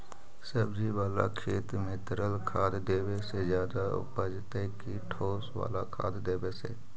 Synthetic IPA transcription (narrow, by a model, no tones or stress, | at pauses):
səbd͡ʒiʋaːla̰kʰeːt̪mẽt̪əɾəlkʰaːd̪d̪eːwesezjaːd̪aʊ̰pəd͡ʒt̪ekiʈʰoːswa̰ːlakʰa̰ːd̪d̪eːbesḛː